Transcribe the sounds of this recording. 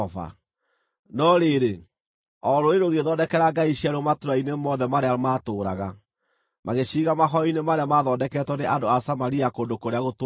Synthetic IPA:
va̰ | nɔɾeɾe | ɔɾoeɾoɣeðɔdɛkɛɾaɡaiɕiaɾomatuɾainemɔðɛmaɾeaɾomaːtoːɾa̰ɣa | maɣeɕiːɣamaɦɔinemaɾeamaðɔːdɛkɛtwɔneʔandoasamaɾiakondokoɾeaɣot

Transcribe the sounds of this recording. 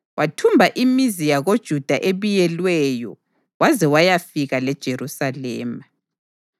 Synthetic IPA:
wʔatʰumbʱaʔimizijaɣod̥ʒ̥ʱud̥ʱaʔeβujɛlwɛjɔ̰ | wazɛwajafiɣalɛd̥ʒ̥ʱeɾusalɛ̰ːma

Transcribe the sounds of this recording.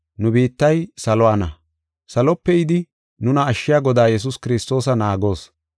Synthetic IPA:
nʊbiːt̪ːɐjsɐlɔwaːnɐ | sɐlɔpːɛjɪd̪ɪ | nʊnɐːʃːɪjaːɡɔd̪aːjɛs̬ʊskɪɾɪst̪o̞ːsɐnaːɡo̞ːs

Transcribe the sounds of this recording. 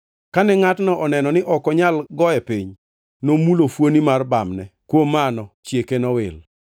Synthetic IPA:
kanɛŋatnɔʔɔnɛnɔnɪʔɔkɔɲalɡɔɛpiɲ | nomulofwonimarbamnɛkwomanɔt͡ʃjekenɔwɪl

